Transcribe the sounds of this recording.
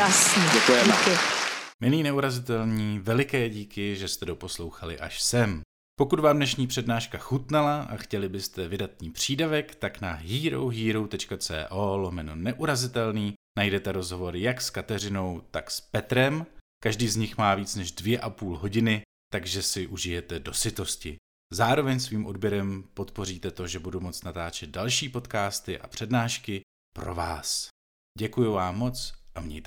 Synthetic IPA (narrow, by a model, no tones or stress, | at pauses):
jasiɛkujɛkɪmɪliːnɛuɾazɪt̪ɛlɲiːvɛlɪkɛːɟiːkɪʒɛst̪ɛdo̞po̞slo̞wxalɪ̰ʔa̰ʃsɛm | po̞kut̪vaːmdnɛʃɲiːpr̝̥ɛdnaːʃkaxut̪nɛlaʔa̰xcɛlɪbɪst̪ɛvɪdat̪̚ɲiːpr̝̥iːdavɛkt̪aknaɦiːɾowɦiːɾowt̪ɛt͡ʃkat͡sɛ̰ːʔoːlomɛnonɛʔuɾazɪt̪ɛlniːnajdɛt̪ɛɾo̞zɦo̞vo̞ɾjakskat̪ɛr̝ɪno̞wt̪akspɛt̪ɾɛmkaʒdiːzɲɪxmaːviːt͡snɛʒdvjɛʔapuːlɦo̞ɟɪnɪ | t̪aɡʒɛsɪʔuʒɪjɛt̪ɛdo̞sɪt̪o̞scɪ | zaːɾo̞vɛɲsviːmʔo̞dbjɛɾɛmpo̞t̪po̞riːt̪ɛt̪o̞ʒɛbudumo̞t͡snat̪aːt͡ʃɛd̪̚dalʃiːpo̞t̪kaːst̪ɪʔa̰pr̝̥ɛdnaːʃkɪ | pɾo̞̰vaːs | ɟɛkujuvaːmːo̞t͡sʔamɲɛ̰jt̪